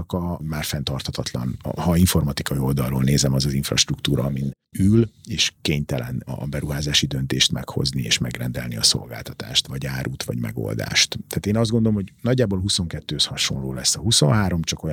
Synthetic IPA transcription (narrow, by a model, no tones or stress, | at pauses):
ɒkɒmaːrfɛnt̪ɒrt̪ʰhɒt̪ʰɒt̪lɒ̰n̰hɒiɱfo̞rmɒt̪ikɒio̞ld̪ɒlːoːlneːzɛmɒzɒziɱfrɒ̰ʃt̪rukt̪uːɾɒːmin | yleːʃkeːɲt̪ɛlɛnːbɛɾuɦaːzaːʃid̪ønt̪eːʃt̪mɛkho̞zniḛːʃmɛɡrɛnd̪ɛlniɒso̞̰lɡa̰ːlt̪ɒt̪a̰ːʃt̪ʋɒɟaːɾuːt̪ʋɒ̰ɟmɛ̰ɡo̰ld̪a̰ːʃt̪t̪aːt̪eːnɒzd̪ɡo̞nd̪olomhoɟnɒɟːaːbo̞lɦuso̞ŋkɛt̪ːøːshɒʃo̞̰nloːlɛsːɒɦusõ̞̰nɦaːɾo̞mt͡ʃɒkoj